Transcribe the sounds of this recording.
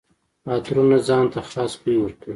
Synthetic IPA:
ɑt̪ɾunazɑnt̪axlɑːspəiwəɾkəwi

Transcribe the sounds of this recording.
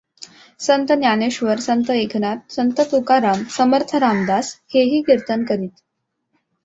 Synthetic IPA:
sənt̪ənjaneɕʋəɾsənt̪əekʰnat̪̚sənt̪ət̪ukaɾamsəməɾt̪ʰəɾamd̪asheɦiːkiɾt̪ənkəɾiːt̪

